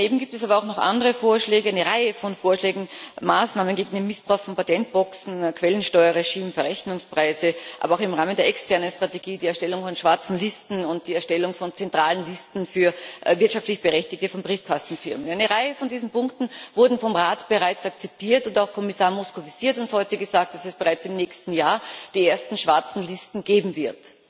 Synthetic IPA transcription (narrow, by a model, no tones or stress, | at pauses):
neːbm̩ɡiːp̚tɛs̬aːbɐaʊxnɔχʔa̰ndəʁəfoːɐʃlɛːɡəʔaɪnəʁaɪəfɔnfoːɐʃlɛːɡŋ̩maːsnaːmənɡeːɡŋ̩deːmːɪsb̥ʁaʊxfɔnpatʰɛnt̚b̥ɔksn̩kʰv̥ɛlənʃtɔʏɐʁeʃiːmfyːɐʁɛçnʊŋspʁ̥aɪzəʔʔa̰ːbɐaʊxɪmʁaːməndeːɐʔɛkstʰɛɐnənstʁ̥ateɡiːdiːɛɐʃtɛlʊŋfɔnʃv̥aɐt͡sn̩lɪstn̩ʊnt̚d̥iːɛɐʃtɛlʊŋfɔnt͡sɛntʁ̥aːlənlɪstn̩fyːɐvɪɐtʃaftlɪçb̥əʁɛçtɪç̚təfɔnbʁiːfkʰastn̩fɪɐmənaɪnəʁaɪəfɔndiːzn̩pʊŋktn̩vʊɐdn̩fɔmʁaːtb̥əʁaɪt͡sakt͡sɛp̚tiːɐtʊntaʊxkʰɔmɪsaːɐmɔskovisiːɐtʊnthɔʏtəɡəzaːk̚t̚d̥asɛsb̥əʁaɪt͡sɪmnɛːçstn̩jaːɐd̥iːeːɐstn̩ʃv̥aɐt͡sn̩lɪstn̩ɡ̥eːbm̩vɪɐt